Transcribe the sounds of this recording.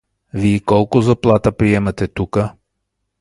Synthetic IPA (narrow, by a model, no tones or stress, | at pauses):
viikɔlˠkʊzɐplˠat̪əpɾiɛmɐt̪ɛt̪ukə